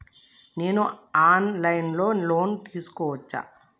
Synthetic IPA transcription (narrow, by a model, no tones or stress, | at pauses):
neːnoaːnlɐjnloːnloːnt̪iːskoɔt͡ʃːa̰